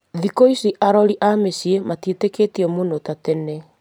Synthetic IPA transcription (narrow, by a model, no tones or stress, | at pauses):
ðikoisiʔaɾɔɾiʔamesiematieteketiɔmonotatene